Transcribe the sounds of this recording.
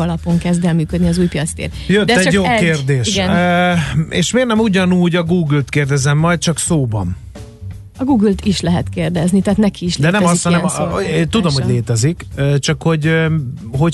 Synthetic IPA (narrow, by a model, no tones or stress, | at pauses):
ɒlɒpo̞ŋkɛzd̪ɛlmyːkød̪niɒzuːjpijɒt̪st̪ḛrt̪jøt̪ːɛɟjoːkeːrd̪eːʃnøḛːʃmeːrnɛmuɟɒnuːɟɒɡuːɡylt̪keːrd̪ɛzɛmːɒjt̪̚t͡ʃɒksoːbɒ̰n | ɒɡuːɡylt̪iʃlɛɦɛt̪keːrd̪ɛznit̪æːt̪nɛkʰiːʃld̪ɛnɛmɒsit̪hɒɛment̪ud̪omhoɟleːt̪ɛzikːt͡ʃɒkho̞ɟ | ɦo̞